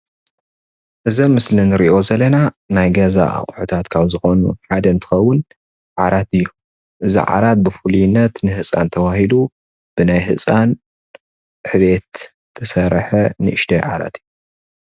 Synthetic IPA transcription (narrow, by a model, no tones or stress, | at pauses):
ʔɨzɐmːɨslinɨɾiʔo̞zɐlɐna | najɡɐza̰ʔa̰χʼħut̪ʰat̪kʰaβzɨxo̞nṵħad̪ɐnt̪ʰɨ̥xɐwːʊn | ʕaɾat̪ɨjːu | ʔɨzḭʕa̰ɾat̪̚bɨfulijɪnːɐt̪nɨhɨsʼa̰nt̪ʰɐwahid̪u | b̥ɨnajɦɨt͡sʼan | ħɨβet̪ | t̪ʰːɐsɐɾħɐnɨʔɨʃd̪ʰɐjʕa̰ɾa̰t̪ɨjːu